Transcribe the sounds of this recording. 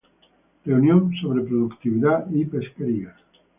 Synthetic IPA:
reunjonsoβ̞ɾepɾoðukt̪iβiðaipeskeɾia

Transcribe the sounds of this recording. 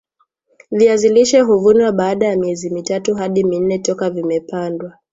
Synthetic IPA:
viaziliʃɛɦuvunwaɓaːɗajamiɛzimitatuɦaɗimin̩nɛtɔkavimɛpandwa

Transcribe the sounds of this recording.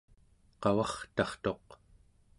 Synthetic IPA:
qɑwɑχt̪ɑχt̪o̞q

